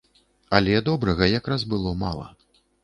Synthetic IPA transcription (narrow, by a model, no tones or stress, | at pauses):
ɐlʲɛd̪ɔbɾɐɣɐjakɾazbɨlˠɔma̰lˠɐ̰